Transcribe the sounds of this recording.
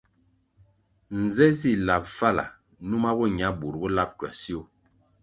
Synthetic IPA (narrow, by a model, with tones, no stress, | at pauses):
n̩˨zɛ˦si˦˨la˨p̚fa˦la̰˨ | nu˦ma˦bo˦ɲ˨a˨˦bu˨ɾbo˦la˦p̚kɥa̰˨si˦o˦˨